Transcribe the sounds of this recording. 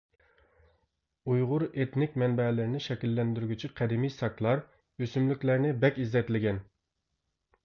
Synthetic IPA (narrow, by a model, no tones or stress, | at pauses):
ujʁʊɾet̪nɪkʲmɛnbɛlɪɾnɪʃɛkʲilːɛnd̪yɾyɡʲyt͡ʃʰiqʰɛd̪ɪmijsɑkʰlˠɑɾ | øsymlykʲlæɾnɪbɛkʲizːɛt̪lɪɡʲɛn